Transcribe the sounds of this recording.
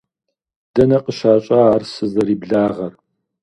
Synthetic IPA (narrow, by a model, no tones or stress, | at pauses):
d̥ɐnɐqəʃaːɕʼɐaːrsɨzɐɾiːbɮaːʁɐr